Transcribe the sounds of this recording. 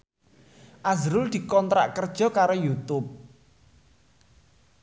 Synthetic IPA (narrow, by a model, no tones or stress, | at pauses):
ʔazɾʊld̪̥i̤kɔnt̪ɾa̰ʔkərd̥ʒ̥ɔ̤kaɾojut̪ʊp̚